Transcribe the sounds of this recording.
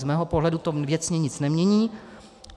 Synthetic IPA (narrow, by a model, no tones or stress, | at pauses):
zmɛːɦopoɦlɛdut̪ovjɛt͡sɲɛɲɪt͡snɛmɲɛɲiː